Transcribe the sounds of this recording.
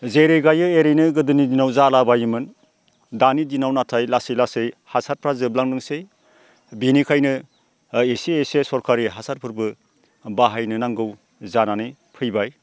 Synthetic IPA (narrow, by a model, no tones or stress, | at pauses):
zeɾeɡajɯeɾejnɯɡɯdɯnidinawzalabajimɯn | danidinawnatʰajlasijlasejhasat̚pʰɾazɯb̚laŋnɯŋsej | binikʰajnɯ | esiesesɔɾkʰaɾiɦasaɾ̚pʰɯɾbɯ | baɦajnɯnaŋɡɯw | zananij | pʰɯjbaj